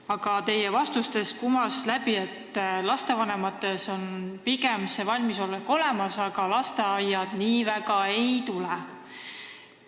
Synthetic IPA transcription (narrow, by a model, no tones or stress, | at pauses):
ɑɡ̥ɑt̪e̞jevɑst̪ust̪e̞skumɑslæbie̞t̪ːlɑst̪e̞vɑne̞mɑt̪ːˑe̞so̞npiɡemsevɑlʲmiso̞lːeko̞lɛmɑsɑɡ̥ɑlɑst̪e̞ɑjːɑd̪̥niːvæɡ̥ɑe̞jt̪ulɛ